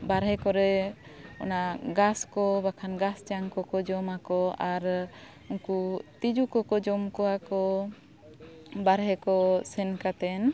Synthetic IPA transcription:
baɾɦɛkɔɾɛ | ɔnaɡaskɔbakʰanɡast͡ʃaŋkɔkɔd͡ʒɔmakɔaɾ | uŋkut̪id͡ʒukɔkɔd͡ʒɔmkɔwakɔ | baɾɦɛkɔsɛnkat̪ɛn

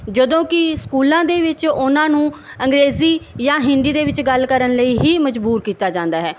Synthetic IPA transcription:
d͡ʒəd̪õːkɪskuːlãːd̪eːʋɪt͡ʃʊnãːnũː | əŋɡɾeːziːjãːɦɪnd̪iːd̪eːʋɪt͡ʃɡəlkəɾənləiːɦiːməd͡ʒbuːɾkiːt̪aːd͡ʒãːnd̪aːɦɛː

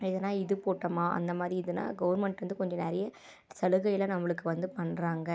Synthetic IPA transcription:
ɪðɐnaːɪðɯpoːʈːɐmaːʔɐ̰nd̪ɐmaːðɾiɪðɯna̰ːɡɐʋɐɾmɐɳʈʋɐnd̪ɯkɔɲd͡ʒɐ̃nɛɾɐjɐ | sɐlɯɣɐjɪlɐnɐmːɐɭɯkːɯʋɐnd̪ɯpɐɳːɾaːŋɡɐ

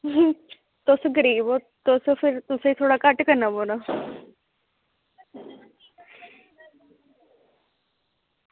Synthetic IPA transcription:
t̪oːsoɡəɾiːbo | t̪osofʰɪɾt̪ʊseit̪ʰoːɽakɐʈkəɾnaboːna

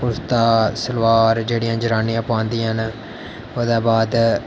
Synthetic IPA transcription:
pʊɾst̪aːsəlʋaːɾd͡ʒeːɽɪijãːd͡ʒəɾaːnĩjãːpãːnd̪ijãn | oːd̪aːbaːd̪

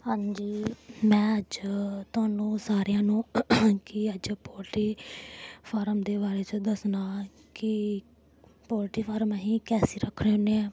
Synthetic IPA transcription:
hãːɲd͡ʒiːmɛ̃ːəd͡ʒt̪ʊaːnũːsaːɾɪjãːnũːkɪəd͡ʒpoːlʈiː | pʰaːɾəmd̪eːbaːɾeːt͡ʃõːd̪əsnaːkɪ | pɔːlʈiːpʰaːɾmɦĩːkɛːsiːɾəkʰːɽeːɦoːneː

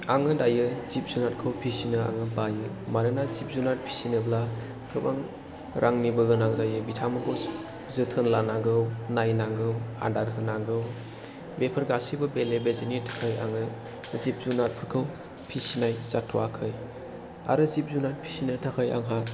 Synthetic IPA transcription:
aŋɯdajɯzip̚zunat̚kʰɯwpʰisinɯa̰ŋɯbajɯ | maɾɯnazip̚zunat̚pʰi̥sinɯbla | pʰɯbaŋ | ɾʔaŋnibɯɡɯnaŋzajɯbitʰamɯɡɔ | zɯtʰɯnlanaɡɯwnajnaŋɡɯwa̰daɾɦɯnaɡɯw | bepʰɯɾɡasibɯbelebezɯnitʰḁkʰɯja̰ŋɯ | zip̚zunat̚pʰɯɾkʰɯw | pʰisinajzatʰuakʰɯj | a̰ɾɯzip̚zunat̚pʰi̥sinɯtʰakʰəja̰ŋɦat̚

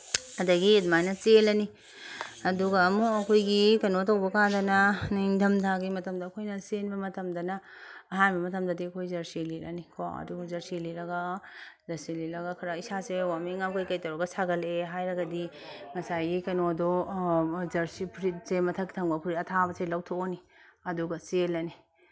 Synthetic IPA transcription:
ɐdɐɡiet̚majnɐt͡ʃelɐni | ɐduɡɐːmuɐkʰojɡikɐnotɐwbɐkadɐnɐniŋdʱɐmtʰaɡimɐtɐmdɐːkʰojnɐsenbɐmɐtɐmdɐnɐːɦanbɐmɐtɐmdɐdiɐkʰojzɐɾsililɐ̰nikʰo̰ɐ̰duɡzɐɾsiliɾɐɡɐzɐsiliɾɐɡɐkʰɐɾɐisasewamiŋamkɐjkɐjtɐwɾɐɡɐsaɡɐleɦajɾɐɡɐdi | ŋɐsajɡikɐnodɔ | zɐɾsipʰɾit̚semɐtʰɐkːi̥tʰɐŋbɐpʰuɾiɐtʰabɐselɐwtʰooni | ɐduɡɐselɐni

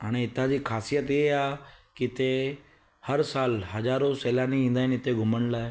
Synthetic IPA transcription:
ɦaːɽ̃eɪt̪ãd͡ʑiːkʰaːsijət̪iɦaːkɪɪt̪e | hɐɾsaːlɦɐzaːɾoseːlaːniĩːnd̪aːɪnɪt̪eɡʱʊməɽ̃laːɪ

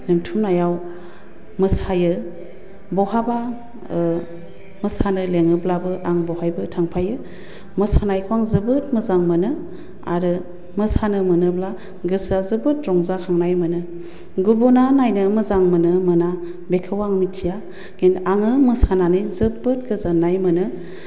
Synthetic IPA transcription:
nɯŋtʰumnajaw | mɯsajɯ | bɔhaba | mɯsanɯleŋɯblabɯʔaŋbɔhajbɯtʰaŋpʰajɯ | mɯsanajkʰuwaŋzɯbɯt̚mɯzaŋmɯnɯ | a̰ɾɯ | mɯsanɯmɯnɯbla | ɡɯsazɯbɯt̚ɾɔŋzakʰaŋnajmɯnɯ | ɡubunanajnɯmɯzaŋmɯnɯmɯna | bekʰɯwaŋmitʰija | ɡ̥enaŋɯmɯsananɯjzɯbɯt̚ɡɯzanajmɯnɯ

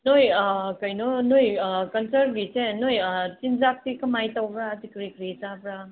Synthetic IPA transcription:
nojkɐjnɔnojkɐnsɐɾɡit͡ʃenojt͡ʃinzap̚tikɐmajtawbɾatikɾikɾitabɾa

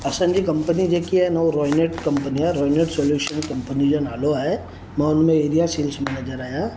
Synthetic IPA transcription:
ɐsə̃nd͡ʒikɐ̃mpənid͡ʒekiɦɛnawɾɔːɪneʈkɐ̃mpəniɛɾɔːjneʈsoːljuːʃənkɐ̃mpənid͡ʒonaːloɛ | mɛ̃ʊnmẽeːɾijasiːlsmɛːned͡ʒəɾaːjã

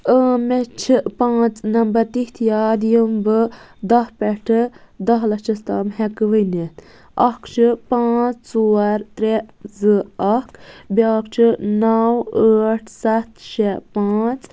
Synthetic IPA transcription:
əːmet͡ʃʰipãːt͡snɐmbɐɾt̪iht̪ʰjaːd̪ijumbɨ | d̪ɐhpɛʈʰɨd̪ɐɦlɐt͡ʃʰist̪ɐmɦɛkʋɨnen | ɐkt͡ʃʰɨpãːt͡st͡soːɐɾt̪ɾezɨɐkbʲjaːkt͡ʃʰinɐwəːʈʰsɐt̪ʃepaːt͡s

